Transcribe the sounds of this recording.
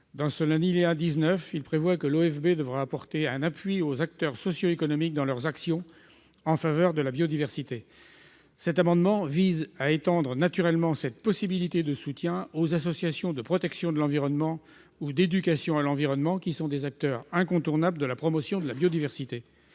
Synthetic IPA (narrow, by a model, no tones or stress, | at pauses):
d̪ɑ̃səlɛ̃d̪ileãd̪iznœfilpχevwakəloɛfbed̪əvʁaːpɔʁt̪eɛ̃napɥiozak̚t̪œʁsɔsjoekɔnɔmik̚d̪ɑ̃lœʁzaksjɔ̃ | ɑ̃favœʁd̪əlabjod̪ivɛʁsit̪e | sɛt̪amɑ̃d̪mɑ̃vizaet̪ɑ̃d̪ʁənat̪yʁɛlmɑ̃sɛt̪̚pɔsibilit̪ed̪əsut̪jɛ̃ozasɔsjasjɔ̃d̪əpχɔt̪ɛksjɔ̃d̪əlɑ̃viʁɔnmɑ̃ | ud̪ed̪ykʲasjɔ̃alɑ̃viʁɔnmɑ̃kʲisɔ̃d̪ezak̚t̪œʁɛ̃kɔ̃t̪uʁnabləd̪əlapχɔmɔsjɔ̃d̪əlabjod̪ivɛʁsit̪e